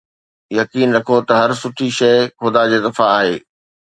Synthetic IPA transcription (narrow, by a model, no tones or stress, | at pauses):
jɐkiːnɾɐkʰot̪ɐɦɐɾsʊʈʰiʃɐjxʊd̪ad͡ʑeːd̪ɐfaːɦeː